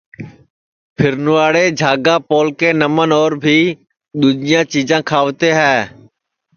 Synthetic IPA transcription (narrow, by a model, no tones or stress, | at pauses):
pʰɪɾnʊːaːɽeːd͡ʒʱaːɡaːpoːlkeːnəmənɔːɾbʱiː | ɗ̪uːd͡ʒɪjãːt͡ʃiːd͡ʒãːkʰaːʋt̪eːɦɛː